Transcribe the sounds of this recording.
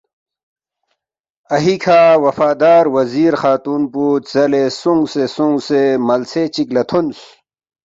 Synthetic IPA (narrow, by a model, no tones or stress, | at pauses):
ɐɦikʰaːwɐfaːd̪aːɾwɐziːɾxaːt̪uːnpuːt̪zɐlesuŋɡsesuŋɡsemɐlset͡ɕiklɐt̪ʰons